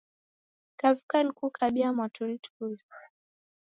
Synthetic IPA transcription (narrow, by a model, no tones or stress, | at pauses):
kavukanikukʰaɓiamwatʰulitu̥kul